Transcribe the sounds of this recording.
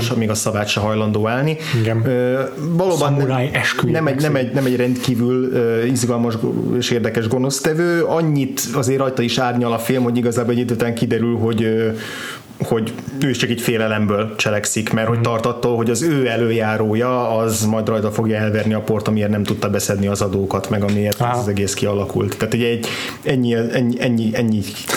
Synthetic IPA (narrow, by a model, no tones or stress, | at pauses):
ʃɒmiɡɒsɒvaːt̪ʃɛɦɒjlɒnd̪oːaːlni | ø | vɒloːbɒnaɛʃkønɛmɛɟnɛmɛɟnɛmɛɟrɛnt̪kiːvyløːizɡɒlmɒʒeːʃeːrd̪ɛkɛʒɡo̞no̞st̪ɛvøːɒɲːit̪ɒzeːrːɒjt̪ɒiʃaːrɲɒlɒfilmho̞ɟiɡɒzaːbolɛɟid̪øːt̪ɛŋkid̪ɛɾylɦo̞ɟø | ho̞ɟøːiʃt͡ʃɒkɛcfeːlɛlɛmbøːlt͡ʃɛlɛksikmɛrho̞ct̪ɒrt̪ɒt̪ːoːlɦo̞ɟɒzøːɛløːjaːɾoːjɒːzmɒjd̪rɒjt̪ɒfo̞ɡjɒɛlvɛrniɒpo̞rt̪ɒmiernɛmt̪ut̪ːɒbɛsɛd̪niɒzɒd̪oːkɒt̪mɛɡɒmieːrt̪ːzɒzɛɡeːskiɒlɒkṵlt̪ʰːaːt̪hoɟɛɟ | ɛɲːiɛɛɲːiɛɲːiɛɲːi